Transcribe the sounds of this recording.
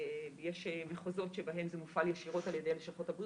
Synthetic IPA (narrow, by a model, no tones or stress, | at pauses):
jeʃmeχozo̞tʃebaɦe̞mzemufaljeʃiʁo̞taljedeleʃaχo̞tabʁ